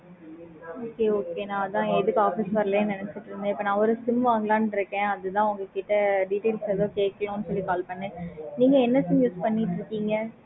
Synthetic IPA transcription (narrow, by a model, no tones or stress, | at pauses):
oːkeːoːkeːnãːðãːɛðɯkːɯaːfɪsʋɐɾɐleːnɐnɛt͡ʃːɪʈːɪɾɯnd̪ɯ̃ɪpːɐːnãːɔɾɯsɪmʋaːŋɡɐlãːnɪɾɯkːẽːɐðɯt̪ãːʊŋɡɐkiʈːɐɖiʈeːlsɛðõːkeːʈkːɐlõɐnːɯsɔlːikaːlpɐɳːẽːniːŋɡɐɛnːɐsɪmjuːspɐɳːiʈːɪɾɯkːiːŋɡɐ